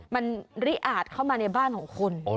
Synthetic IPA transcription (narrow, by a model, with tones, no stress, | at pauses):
ma˧nɾi˦˥ʔaː˨˩t̪̚kʰa˥˩wmaː˧na˧jbaː˥˩nkʰɔː˩˦ŋkʰo˧n